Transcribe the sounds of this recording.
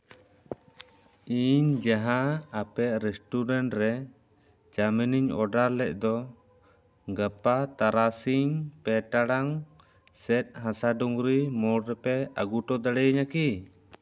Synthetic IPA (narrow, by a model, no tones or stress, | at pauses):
iɲd͡ʒaɦãapɛʔɾɛsʈuɾaɳʈɾɛ | d͡ʒaminiɲɔ̰ɖaɾlɛʔ̚ˀd̪ɔ | ɡəpat̪aɾasiŋpɛʈaɽaŋ | sɛt̪̚ˀɦãsaɖuŋɾimɔɽɾɛpɛa̰ɡuʈɔd̪əɽɛɲaki